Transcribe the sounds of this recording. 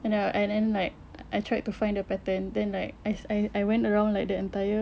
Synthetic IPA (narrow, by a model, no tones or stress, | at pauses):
junoʔɛ̃ndɛ̃nlaɪk̚ʔajtʰɹajtufãɪ̃ndəpɛtə̃ndɛ̃nlaɪk̚ajajajwɛ̃ntəɹãʊ̃nlajk̚dəɛ̃ntajə